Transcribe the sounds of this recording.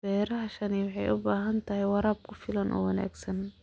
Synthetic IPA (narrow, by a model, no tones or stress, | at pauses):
b̥ɛːɾɐʔaʃaːnːwħɑjʔʊbaːɦɐnt̪ʰɐhɪwɑɾɑːb̚kʰʊfɪlɐnʔɔ̰ːwɑna̰ːɡsɐn